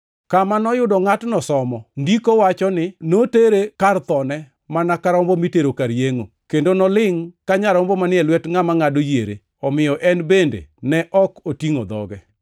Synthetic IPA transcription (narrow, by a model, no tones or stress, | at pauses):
kamanɔjʊdɔŋatnɔsɔmɔndikowat͡ʃɔnɪnoteɾekart̪ɔnɛ | manakaɾɔmbomiteɾokaɾjeŋo | kendonɔlɪŋkaɲaɾɔmbomanɪɛlwɛtŋamaŋadojeɾḛ | ɔmɪjɔʔɛnbendḛnɛʔɔkotiŋod̪ɔ̰ɡɛ